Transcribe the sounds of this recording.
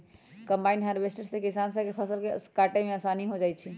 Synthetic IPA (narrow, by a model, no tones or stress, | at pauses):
kəmbainɦaɾbesʈəɽsẽkisansəkepʰəsəlkekaʈemeasaniɦod͡ʒaj̪t͡ʃʰi